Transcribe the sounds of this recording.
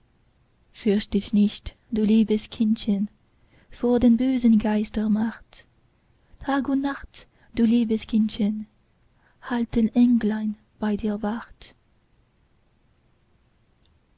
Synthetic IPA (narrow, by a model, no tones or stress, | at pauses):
fʏɐʃtɪçnɪçt | d̥uːliːbəskʰɪnçən | fɔːɐdeːnbøːzənɡaɪstɐmaχt | tʰaːɡʊntnaχt | d̥uːliːbəskʰɪnçən | haltənʔɛŋɡlaɪn | b̥aɪdiːɐvaʁt